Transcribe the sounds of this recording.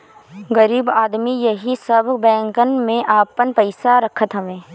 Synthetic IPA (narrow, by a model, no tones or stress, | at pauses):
ɣɐɾiːbaːd̪mijɐɦisɐbbɛ̃ːŋkənmẽʔaːpənpəɪsaɾɐkʰət̪ɦɛʋẽː